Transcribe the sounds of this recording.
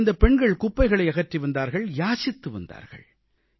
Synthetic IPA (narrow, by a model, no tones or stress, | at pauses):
nd̪ɐpɛɳɡɐɭkʊpːɐɪɣɐɭɐɪɐɣɐʈriʋɐnd̪aːɾɣɐɭjaːsɪt̪ːɯʋɐ̰nd̪a̰ːɾɣɐ̰ɭ